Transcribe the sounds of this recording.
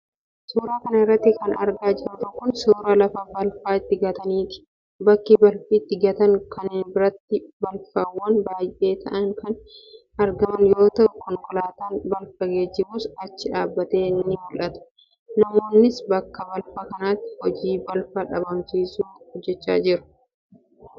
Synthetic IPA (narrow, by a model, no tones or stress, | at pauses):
soːɾaːkɐnɐɪrːɐt̪ːɪkɐnɐ̰ɾɡaːd͡ʒɪɾɐt̪ɔkːʊnsoːɾɐlɐfɐbɐlfaːɪt̪ːɪɡɐt̪ɐniːt̪ɪ̥ | bɐkːɪbɐlfit̪ːɪɡɐt̪ɐŋkɐnɪnbɪɾɐt̪ːɪbɐlfɐwːɐnbaːjʔe̞ːt̪ʰɐʔɐŋkɐn | ɐɾɡɐmɐnjo̞ːt̪ɐʔʊkɐŋkɔlaːt̪ɐnbɐlfɐɡeːd͡ʒɪbuːsɐt͡ʃːɪᶑaːbːɐt̪e̞ːnːɪmʊlʔɐt̪ʊ̥ | nɐmo̞ːnːɪsbɐkːɐbɐlfɐkɐnaːt̪ːɪ̥hɔd͡ʒiːbɐlfɐᶑɐbɐmsiːsuːhɔd͡ʒːɛt͡ʃːa̰ːd͡ʒɪɾʊ̥